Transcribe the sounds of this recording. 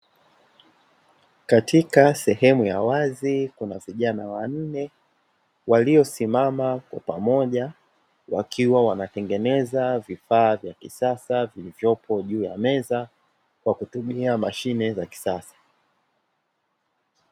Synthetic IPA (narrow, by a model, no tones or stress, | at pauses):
katikasɛhɛmujawazikunaviʄanawan̩nɛ | waliɔsimamakwa̰pamɔʄa | wa̰kʰiwawanatɛŋɡɛnɛzavifaːvjakisasavilivjɔpʰɔʄuːja̰mɛza | kwakutumiamaʃinɛzaki̥sasḁ